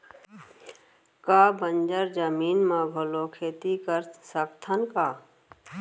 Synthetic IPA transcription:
kaːbənd͡ʒəɾd͡ʒəmiːnmãbʱolokʰeːt̪ikəɾsəkt̪ʰənkaː

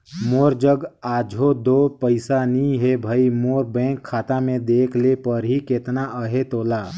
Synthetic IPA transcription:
moːɾd͡ʒəɡaːd͡ʒʱod̪oːpəɪsanĩɦebʱaimoːɾbɛ̃ːkʰːaːt̪amẽd̪eːkʰlepəɾɦiket̪naʔəɦet̪oːlaː

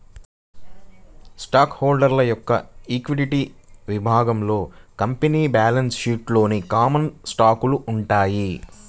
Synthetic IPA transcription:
sʈaːkhoːlɖɐɾlɐjɔkːɐ̰iːkʋiliʈiːʋibʱaːɡɐmlo̞ːkɐmpeniːbaːlɐnsʃiːʈlo̞ːnikaːmɐnsʈaːkuluʔuɳʈaːji

